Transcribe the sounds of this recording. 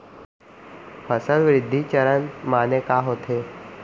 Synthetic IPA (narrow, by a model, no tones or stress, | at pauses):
pəsəlʋɾɪd̪ʱːit͡ɕəɾənmaːnekaɦoːt̪ʰe